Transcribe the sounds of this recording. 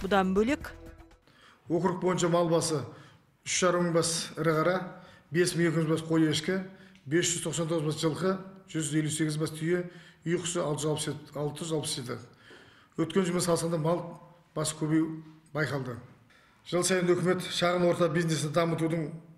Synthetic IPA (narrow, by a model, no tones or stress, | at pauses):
bʊd̪ɑmbɵlek | wo̞kɾʊq̚bo̞jənʃɑmɑlˠbɑsə | ʏʃʒ̥ɑɾəməɴbɑsɪɾəʁɑɾɑbe̞sməŋekʲɪʒbɑsqʰo̞jˠeɪʃkʲɪbe̞sʒ̥ʏzt̪ʰo̞qsɑnt̪ʰoʁəzbɑsʒəlˠqəʒ̥ʏzʒe̞lːuse̞ɡʲɪzbɑst̪ʰʏjeʏjqʰʊ̥zsəɑlˠt̪əʒɑlˠpsɑlˠt̪əʒʏzɑlˠpɪsʒe̞t̪ɪ̰ | wɵt̪kʲe̞nʒʊməsɑlˠsɑnd̪ɑmɑlˠ | b̥ɑsə̥kʲʰɵβe̞jbɑjqɑlˠd̪ə | ʒ̥əlˠsɑjənɵkʲɪme̞t̪ʃɑʁənwo̞ɾt̪ɑbijznesɪnɪd̪ɑmət̪ud̪əɴ